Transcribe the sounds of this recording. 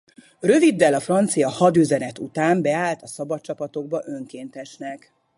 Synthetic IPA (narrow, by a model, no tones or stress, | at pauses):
røvid̪ːɛlɒfrɒnt̪sijɒhɒd̪yzɛnɛt̪ut̪aːmbɛaːlt̪ɒsɒbɒtt͡ʃɒpɒt̪o̞ɡ̚bɒʔø̞ŋkeːnt̪ɛʃnɛk